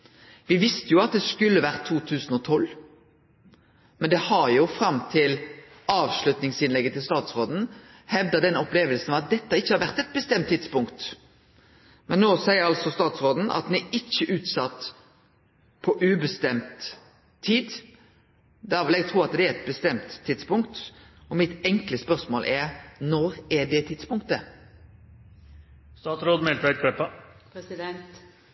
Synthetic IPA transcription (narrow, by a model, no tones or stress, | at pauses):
ʋɪʋɪst̪əjʊɑt̪̚d̪ɛskʉlːəʋæʁt̪ʰːuːt̪ʰʉːsn̩ɔt̪ʰɔl | mɛnd̪ɛhɑʁjʊfɾɑmt̪ʰɪl | ɑːʋʃlʉt̪nɪŋsɪnlɛɡːət̪ʰɪlst̪ɑːt̪sʁoːd̪n̩ | hɛʋd̪əd̪ɛnɔpleːʋəlsn̩ɑʋɑt̪̚d̪ɛt̪ːəɪçːəhɑɾʋæʁt̪ɛt̪̚bəst̪ɛmt̪ʰːɪd̪spʊŋkt̪ | mɛnnoːsæɪəɾɑlsɔst̪ɑːt̪sʁoːd̪n̩ʔɑ̰t̪̚d̪ɛnæɪçːəʔʉːt̪sɑt̪ː | pʰɔʔʉːbəst̪ɛmt̪ʰː | iːd̪ | d̪æːɾʋɛlɛɡt̪ʰʁuːɑt̪d̪ɛæɛt̪̚bəst̪ɛmt̪ʰːɪd̪spʊŋkt̪ | ɔmɪt̪ɛŋkləspœʁsmoːlʔɛɾnɔɾɛɖɛt̪ʰɪd̪spʊŋkt̪ə | st̪ɑːt̪sɾoːd̪mɛlʋæɪt̪̚kʰɾɛpːɑɪd̪ɛnt̪